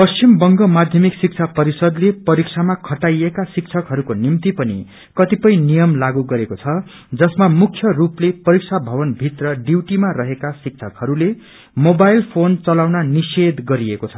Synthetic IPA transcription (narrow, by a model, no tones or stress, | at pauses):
pʌst͡ɕimbʌŋɡʌmad̪ʱjʌmiksik̚t͡sʰapʌɾisʌd̪lepʌɾikt͡sʰamakʰʌʈajekasik̚t͡sʰʌkɦʌɾukonimt̪ipʌnḭ | kʌt̪ipʌj̃nijʌmlaɡuɡʌɾekot͡sʰʌ | d͡zʌsmamukʰjʌruplepʌɾik̚sʰabʱʌbʌnbʱit̪rʌɖiwʈimarʌɦekasik̚t͡sʰʌkhʌɾule | mobajlpʰont͡sʌlawnanised̪ɡʌɾiekot͡sʰʌ